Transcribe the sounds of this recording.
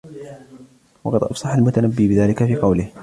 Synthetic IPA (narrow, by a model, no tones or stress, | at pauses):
wɑqɑd̪ʔɑ̰fsˤɑħalmʊt̪anabːiːbɪðaːlɪkafiːqɑwlɪh